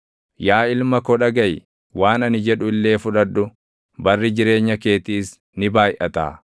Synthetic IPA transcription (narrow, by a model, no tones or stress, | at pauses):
jaːɪlmɐkɔᶑɐɡɐj | waːnɐnɪd͡ʒɛᶑʊɪlːe̞ːfʊᶑɐdːʊ | bɐrːɪd͡ʒɪɾe̞ːɲːɐke̞ːt̪iːs | nɪbaːjʔɐt̪a̰ː